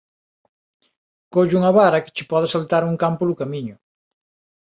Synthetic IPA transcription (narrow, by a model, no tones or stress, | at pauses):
koʒuŋɐβaɾɐkɪ̥t͡ʃɪpɔðɪsalt̪aɾuŋkampʊðʊkamiɲʊ